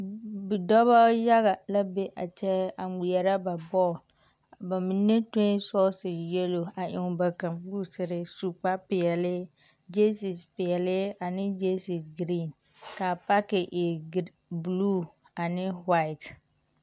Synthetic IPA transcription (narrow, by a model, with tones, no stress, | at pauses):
bɪ˨dɔ˦βa˦ja˦ɣa˨la˦be˦ʔa̰˨t͡ʃɛ˦a˨ŋi˨ɛ˨ɾa˦ba˨bɔ˦˨l | ba˨mi˨nːe˦tõ˦sɔ˦sɪ˨jɛ˦lo˨a˨ʔɪ˨ŋ˨ba˨ka˨mbu˦˨sɪ˨ɾɪ˦su˨k͡pa˦pɪ˨ɛ˨lɪ˦ | d͡ʒe˦si˨spɪ˨ɛ˨lɪ˦a˨nɪ˦d͡ʒe˦si˨sɡɾi˦˨n | ka˨pa˦kɪ˨ʔe˨ | blu˦ | a˨nɪ˦wa˦ɪ˨t